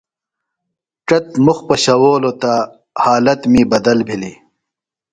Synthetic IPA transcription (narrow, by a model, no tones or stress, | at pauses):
ʈɐt̪muxpɐɕɐwoːlot̪a | haːlɐt̪miːbɐd̪ɐlbʱili